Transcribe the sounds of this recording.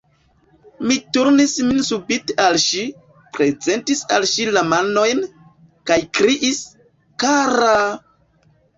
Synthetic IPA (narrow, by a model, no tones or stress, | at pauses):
mituɾnisminsubitealʃi | pɾe̞ze̞ntisalʃilamano̞jn | kajkɾiʔis | kaɾa